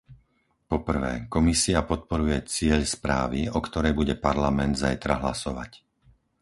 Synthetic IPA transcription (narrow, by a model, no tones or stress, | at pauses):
pɔpr̩ʋɛ̰ːkɔmisiapɔt̪̚pɔɾujɛt͡sɪɛʎspɾaːʋiɔkt̪ɔɾɛjbuɟɛpaɾlamɛnd̪zajt̪ɾaɦlasɔʋa̰c